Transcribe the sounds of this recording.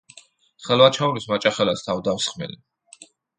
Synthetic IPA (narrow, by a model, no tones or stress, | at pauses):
χɛlwat͡ʃʰauɾismat͡ʃʼaχɛlast̪ʰawd̪awsχmɛ̰li